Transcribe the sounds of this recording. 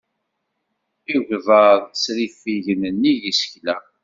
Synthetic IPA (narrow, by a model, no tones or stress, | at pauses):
iʝðəðt͡sːɾifiʝənənːiʝisə̥çlæ